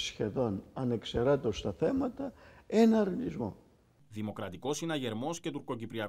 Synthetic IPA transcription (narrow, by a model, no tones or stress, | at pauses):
sçe̞ðo̞nɐne̞kseɾɐt̪o̞st̪ɐθe̞mɐt̪ɐe̞nɐɾnizmo̞ | ðimo̞kɾɐt̪iko̞sinɐʝe̞ɾmo̞sce̞t̪uɾko̞cipɾiɐ